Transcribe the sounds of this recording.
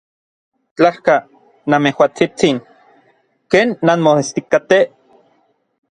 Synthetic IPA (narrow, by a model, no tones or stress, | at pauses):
t͡ɬahka | namehwat͡sit͡siŋ | keːnːanmoest̪ikat̪e